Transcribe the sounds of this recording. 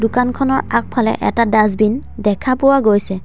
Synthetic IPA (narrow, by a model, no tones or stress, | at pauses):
dʊkankʰɔnɔɹak̚pʰalɛ̰ʔɛ̰tadaz̬bindɛkʰapʊwaɡojsɛ